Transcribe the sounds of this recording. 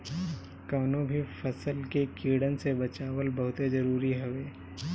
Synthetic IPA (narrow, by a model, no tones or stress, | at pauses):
kaːnõbʱifɐsəlkekiːɽənsebɐt͡ʃaːwəlbɐɦʊt̪ezɐɾuːɾiɦɐʋeː